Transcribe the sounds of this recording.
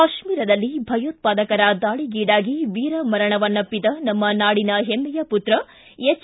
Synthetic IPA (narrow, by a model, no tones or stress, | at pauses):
aʃmiːɾɐd̪ɐlːibʱɐjoːt̪̚paːd̪ɐkɐɾɐd̪aːɭiɡiːɽaːɡiʋiːɾɐmɐɾɐɳɐʋɐnːɐpːid̪ɐnɐmːɐnaːɽinɐɦemːɛjɐput̪ɾɐ | et͡ʃː